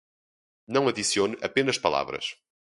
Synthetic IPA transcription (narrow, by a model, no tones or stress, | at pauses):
nɐ̃w̃ɐðisionʔɐpenɐʃpɐlˠa̰vɾɐ̰ʃ